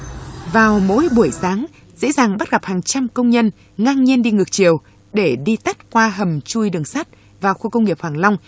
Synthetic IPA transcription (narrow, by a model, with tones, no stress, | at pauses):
vaː˨˩wmo̰˧˥jɓu˧˩əjsaː˨˦ŋ | zḛ˧˥zaː˨˩ŋɓa˦˥t̚ɣa˨˩p̚haː˨˩ŋt͡ɕa˧mkə˧wŋ͡mɲə˧n | ŋaː˧ŋɲi˧ənɗi˧ŋɨ˨˩k̚t͡ɕi˨˩əw | ɗe˧˩ɗi˧t̪ə˦˥t̚kwaː˧ɦə˨˩mt͡ɕu˧jɗɨ˨˩əŋsaː˦˥t̚ | vaː˨˩wxu˧kə˧wŋ͡mŋi˨˩əp̚hwaː˨˩ŋla˧wŋ͡m